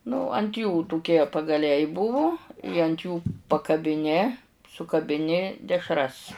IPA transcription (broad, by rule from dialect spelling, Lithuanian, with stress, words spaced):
nʊ ɐnt juː tʊˈkʲiɛ pɐɡɐˈlʲɛɪ ˈbʊʋʊ ɪ ɐnt ˈjuː pɐkɐbʲɪˈnʲɪ sʊkɐbʲɪˈnʲɪ dʲɛʃˈrɐs